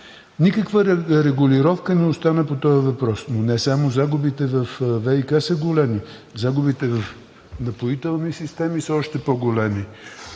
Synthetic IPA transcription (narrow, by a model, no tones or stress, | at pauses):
nikəkvəɾɛɡʊliɾɔfkənɛost̪anəpot̪ɔəvɐpɾɔsnonɛsamozaɡʊbit̪ɛvɐfvɛikasəɡolɛmi | zaɡʊbit̪ɛvɐf | nɐpoit̪ɛlˠnisist̪ɛmisəɔʃt̪ɛpoɡolɛmi